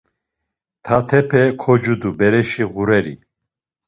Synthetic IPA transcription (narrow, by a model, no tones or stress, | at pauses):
t̪ʰat̪ʰɛpʰɛkʰɔd͡ʒud̪ubɛɾɛʃiʁuɾɛɾḭ